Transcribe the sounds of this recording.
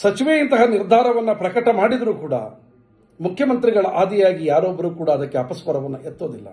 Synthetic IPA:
sɐt͡ʃiʋeint̪ɐɦɐniɾd̪ʱaːɾɐʋɐnːɐpɾɐkɐʈɐmaːɽid̪ɐɾuːkuːɽɐ̰ | mukʰjɐmɐnt̪ɾiɡɐɭɐʔaːd̪ijaːɡijaːɾoːbːɐɾuːkuːɽɐːd̪ɐkːeɐpɐspɐɾɐʋɐnːɐʔet̪ːoːd̪ilːɐ̰

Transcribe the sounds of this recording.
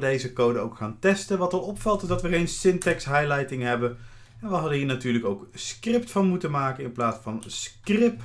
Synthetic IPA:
dejzəkowdəowkχaːntɛstənʋɑtəlˠɔpfɑlˠtɪzdɑtʋərejnsɪntɛksɦajlɛjtɪŋɦɛbən | ɛnʋəɦɑdənɦiːɹnatyːɹləkowkskrɪp̚tfɑnmutənmaːkənɪnplaːtsfɑnskrɪp

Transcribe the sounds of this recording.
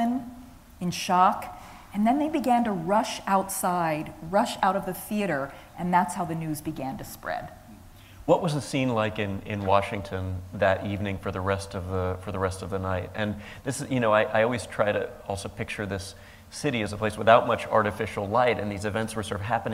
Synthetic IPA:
ɨ̃n | ɨ̃nʃɑk | ɨ̃nðɨ̃nðeɪbɨɡæ̃ntəɹʌʃaʊtsaɪd̚ɹʌʃaʊɾʌvðɨθiɨɾə˞ | ʔɨ̃nðætshaʊðɨnʉzbɨɡæ̃ntɨspɹɛ̰d̥ | wʌʔ̚wʌzɨsĩnlaɪkɪ̃nɪ̰̃nwɑʃɪ̃ŋtʰɨ̃nðɨɾʔivnɪ̃ŋfə˞ðɨɹɛstʌvðəfə˞ðəɹɛstʌvðənaɪt̚ɨ̃n | ðɪsjɨnoʊaɪʔaɪɔlˠwiz̥tʰɹ̥aɪɾɨ̰ɔlˠsoʊpʰɪk̚t͡ʃə˞ðɪs | ɪɾiɨzəpʰl̥eɪswəθaʊt̚mʌt͡ʃɑ̰ɹɾɨfɪʃl̩ˠlaɪɾɨ̃nðizɨvɛ̃ntswə˞sɜ˞ɾv̥ɦæpɨñ

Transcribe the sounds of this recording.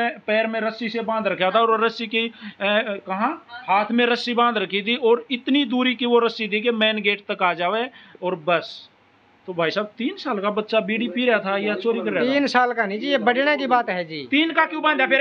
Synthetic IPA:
ẽpɛːɾmẽɾəsisebãːnd̪ɾəkʰjat̪ʰaɔːɾɾːəsiki | kɐɦãhaːt̪ʰmẽɾəsibãːnd̪ɾəkʰːit̪ʰiɔːɾɪt̪nid̪uːɾikiʋoɾəsit̪ʰikemɛːnɡeːʈt̪əkaːd͡ʒaːʋeɔːɾbəs | t̪obʱaːisaːb̚t̪iːnsaːlkabət̪ːʃabiːɽipiɾɛat̪ʰajat͡ʃoːɾikəɾɛaiːnsaːlkanĩd͡ʒijebəɖɽekibaːt̪ɦɛd͡ʒiːt̪iːnkakjũbãnd̪japʰɪɾ

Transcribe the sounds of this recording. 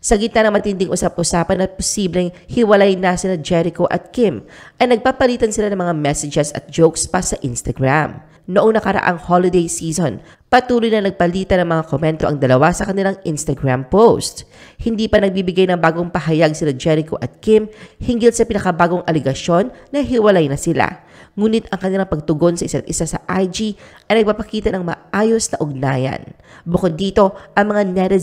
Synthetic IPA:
sɐɡɪt̪nanɐŋmɐt̪ɪnd̪ɪŋʔʊsap̚ʔʊsaːpɐnːɐposiblɛŋhɪwɐlajnɐsɪlɐd͡ʒɛɾɪkoʔɐ̰t̪̚kɪmʔɐjnɐɡ̚paːpɐliːt̪ɐnsɪlanɐŋmɐŋamɛsɛd͡ʒɛsɐ̰t̪̚d͡ʒowkspasɐʔɪnst̪ɐɡɹam | noʔoŋnɐkɐɾɐ̰ʔa̰ŋholɪd̪ejsiːso̞n | pɐt̪uːlojnɐnɐɡ̚pɐliːt̪ɐnɐŋmɐŋakomɛnt̪o̞ʔɐŋd̪ɐlɐwasɐkɐnɪlaŋʔɪnst̪ɐɡɹampowst̪̚hɪnd̪iːpɐnɐɡ̚bibɪɡajnɐŋbaːɡo̞ŋpɐɦɐjaɡsɪlad͡ʒɛɾɪkoʔɐt̪̚kɪmhɪŋɡɪlsɐpɪnɐkɐbaːɡo̞ŋʔɐlɛɡɐʃjo̞nːɐɦɪwɐlajnɐsɪla̰ | ŋuːnɪt̪ɐŋkɐnɪlaŋpɐɡ̚t̪ʊɡo̞nsɐʔɪsat̪̚ʔɪsasɐʔajd͡ʒiʔɐjnɐɡ̚papɐkiːt̪ɐnɐŋmɐ̰ʔaːjo̞snɐʔʊɡ̚naːjɐ̰nbʊkod̪ːiːt̪o̞ʔɐŋmɐŋanɛɾɛ

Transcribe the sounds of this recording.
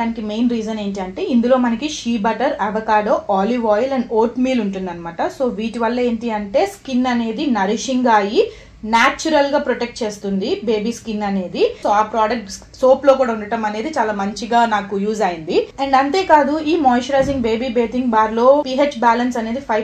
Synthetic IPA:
aːnikime̞jnɾiːd͡ʒɐne̞ːɳʈiɐɳʈe̞ːind̪ulo̞ːmɐnɐkiʃiːbɐʈɐɾɐʋɐkaːɖoːʔaːliʋaːjlɐɳɖoːʈmiːluɳʈund̪ɐnɐmaːʈɐso̞ːʋiːʈiʋɐlːɐe̞ːɳʈiɐɳʈe̞ːskinːɐne̞ːd̪inɐɾiʂiŋɡaːji | naːt͡ʃuɾɐlɡaːpɾoʈek̚ʈ̚t͡ʃe̞ːst̪und̪ibe̞ːbiːskinːɐne̞ːd̪isoːaːpɾaːɖɐk̚ʈs | so̞ːplo̞ːk̬uːɽaːuɳɖɐʈɐmɐne̞ːd̪it͡ʃaːlaːmɐɲt͡ʃiɡaːnaːkujuːzaːjind̪iɛɳɖɐnt̪e̞ːkaːd̪uiːmɔːjʃɾaːd͡ʒiŋɡbe̞ːbiːbe̞ːt̪iŋɡbaːɾlo̞ːpiɦeːt͡ʃbaːlɐnsɐne̞ːd̪ipʰɐj

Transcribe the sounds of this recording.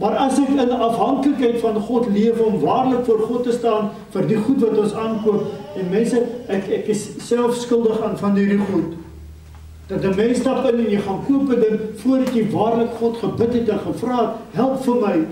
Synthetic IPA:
mɐrɐsɛkənʔɐfɦɐŋkləkɦɛjtfɐnχɔtliəvəɔmvɑːrləkfuərχɔtːəstɑːn | fərdiχutvɐtɔnsɑːnkuəpɛnmɛnsəɛkɛkəssælˠfskəlˠdəχɑːnfɐnɦirdiχut | d̥ɐtəmɛnstɐpənɛnjəjχɑːnkuəpədəŋfuəɾɐtjivɑːrləkχɔtχəbətɦɛtəχəfrɑːtɦælˠpfərməj

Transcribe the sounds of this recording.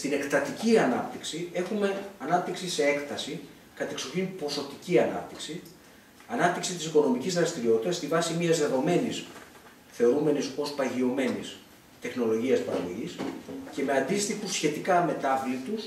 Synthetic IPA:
st̪ine̞kt̪ɐt̪iciɐnɐp̚t̪iksie̞xume̞ɐnɐp̚t̪iksisee̞kt̪ɐsi | kɐt̪eksoçinpo̞so̞t̪iciɐnɐ̰p̚t̪iksi | ɐnɐp̚t̪iksit̪isiko̞no̞micizðɾɐst̪iɾio̞t̪it̪ɐst̪ivɐsimiɐzðe̞ðo̞me̞nis | θe̞o̞ɾume̞niso̞spɐʝio̞me̞nis | t̪e̞xno̞lo̞ʝiɐspɐɾɐoʝisce̞me̞ɐnd̪ist̪ixusçe̞t̪ikɐme̞t̪ɐvlit̪us

